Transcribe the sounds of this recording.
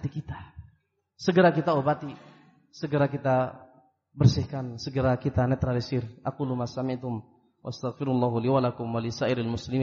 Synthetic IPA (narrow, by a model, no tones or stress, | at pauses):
at̪ikit̪ḁ | səɡəɾakit̪aobat̪i | səɡəɾak̬it̪a | bərsɪhkansəɡəɾakit̪anɛt̪ɾalisɪrʔakulumasamit̪ʊm | wʔast̪aɣfɪɾulːaɦuliwalakʊmwalisaʔɪɾalmuslimi